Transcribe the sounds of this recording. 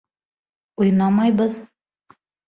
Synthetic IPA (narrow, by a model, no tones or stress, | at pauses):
ujnɑmɑjβɤð